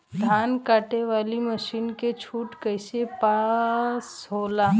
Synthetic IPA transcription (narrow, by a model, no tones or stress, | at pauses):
d̪ʱaːnkaːʈeʋaːliməʃiːnket͡ʃʰuːʈkəjsepaːsɦoːlaː